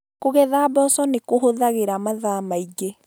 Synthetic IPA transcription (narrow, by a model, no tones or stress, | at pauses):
koɣɛðaːbɔsɔnekoɦoðaɣeɾamaðamaiɡe